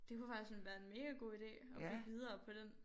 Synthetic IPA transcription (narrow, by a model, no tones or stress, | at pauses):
d̥e̝kʰufɑ̈ɡ̥isɡ̥ɒnʋæːɐe̝nme̝ːɡ̥æɡ̥o̝̰ːid̥e̝̰ːɒ̥̽iʋið̞ˠɐːpʰɒ̽d̥em